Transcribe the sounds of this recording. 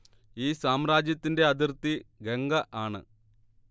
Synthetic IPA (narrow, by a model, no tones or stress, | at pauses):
iːsaːmraːd͡ʑjɐt̪ːinde̞ɐd̪irt̪iɡeŋɡɐʔaːɳɨ̰